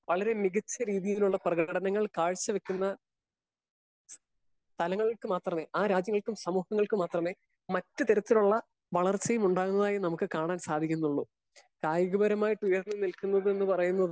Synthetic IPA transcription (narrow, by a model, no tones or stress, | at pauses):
ʋɐɭɐɾe̞miɣɐt͡ɕːɐɾiːðijiluɭːɐprɐɣɐɐɽɐnɐŋːɐɭkaːɻt͡ɕːɐʋe̞kʲːunːɐ | t̪ʰɐlɐŋːɐɭikɨmaːt̪rɐme̞ːʔaːɾaːd͡ʑjɐŋːɐɭkumsɐmuːhɐŋːɐɭkɨmaːt̪rɐme̞ː | mɐtːɨt̪eɾɐt̪ːiluɭːɐ | ʋɐɭɐrt͡ɕɐjɐmuɳɖaːɣunːɐðaːjinɐmukːɨkaːɳaːnsaːd̪ʱikʲːunːuɭːu | kaːjɐɣubɐɾɐmaːjiʈːujɐrnːɨnilkunːɐðɨe̞nːɨpɐrɐjunːɐðɨ